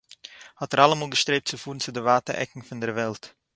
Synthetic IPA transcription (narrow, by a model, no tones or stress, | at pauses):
hɑtəɾɑləmoːlˠɡəstɾeːp̚tsəfuːənsədəvaːtəɾɛ̰kŋ̩fɔndərvɛlˠt